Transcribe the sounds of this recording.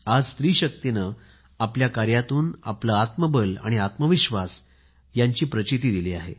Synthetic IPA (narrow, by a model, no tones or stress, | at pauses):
ad͡zst̪ɾiːɕək̚t̪inə | apljakaɾjat̪uːna̰pləat̪məbəla̰ɽ̃iat̪məʋiɕʋas | jaɲt͡ɕiːpɾət͡ɕit̪iːd̪iliːaɦḛ